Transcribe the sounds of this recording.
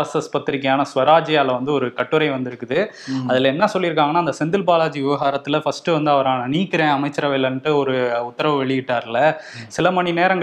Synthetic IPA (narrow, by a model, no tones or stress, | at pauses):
ɐsɐspɐt̪ːɪɾɪkːɐjaːnɐsʋɐɾaːd͡ʒɪjaːlɐʋɐnd̪ɯɔɾɯkɐʈːɯɾɐɪʋɐnd̪ɪɾɯkːɯðɯ | ɐðɪlɐɛnːɐsɔlːɪɾɯkːaːŋɡɐnːaːnd̪ɐsɛnd̪ɪlpaːlaːd͡ʒiʋɪʋɐɦaːɾɐt̪ːɯlɐfɐsʈɯʋɐnd̪ɯɐʋɐɾaːnɐniːkːɪɾẽːɐmɐɪt͡ʃːɐɾɐʋɐɪlɐnʈːɯɔɾɯʊt̪ːɐɾɐʋɐʋɛɭɪjɪʈːaːɾɪlɐsɪlɐmɐɳineːɾɐŋɡ